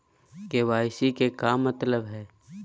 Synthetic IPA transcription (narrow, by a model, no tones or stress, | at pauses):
keʋaːɪsikekaːmːət̪ləbɦɛː